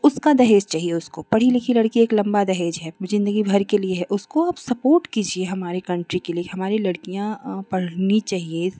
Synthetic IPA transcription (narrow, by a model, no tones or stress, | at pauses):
ʊskad̪ɐɦeːd͡ʒt͡ʃaːɦieʊskopɐɽ̤ilɪkʰilɐɽkieːklɐ̃mbad̪ɐɦeːd͡ʒɦɛːzɪ̃nd̪əɡibʱɐɾkelieɦɛʔʊskoaːbsɐpoːɾʈkiːd͡ʒieɦɐmaːɾekɐ̃ɳʈɾikelieɦɐmaːɾilɐɽkijãpɐɽ̤nit͡ʃaːɦie